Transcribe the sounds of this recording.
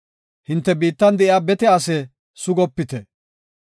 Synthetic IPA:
hɪnt̪ːɛbiːt̪ːɐnd̪ɛʔɪaːbɛt̪ɛasɛ | sʊɡɔpːɪt̪ɛ

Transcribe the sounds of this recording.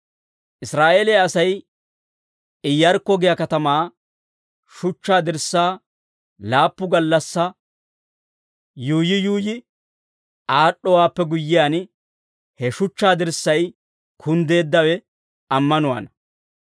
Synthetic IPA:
ʔɪsɾaːʔeːleaɐsɐj | ɪjːɐɾkːɔɡɪjɐkɐt̪ɐmaː | ʃʊt͡ʃːaːd̪ɪɾsaː | laːpːʊɡɐlːɐsːɐ | juːjɪjuːjɪ | ʔaːɗːɔwaːpːɛɡʊjːɪjaːn | hɛʃʊt͡ʃːaːd̪ɪɾsːɐj | kʰʊnd̪e̞ːd̪ːɐwɛ | ʔɐmːɐnʊwa̰ːnɐ

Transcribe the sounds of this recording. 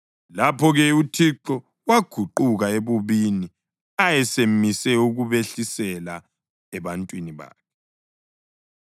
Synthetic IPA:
lapʰɔɣɛutʰiǃɔ | waɡ̥ʱuǃuɣaeβuβini | ajɛsemisɛuɣuβeɬisɛla | ɛβantʼwiniβa̰ːkʰɛ̥

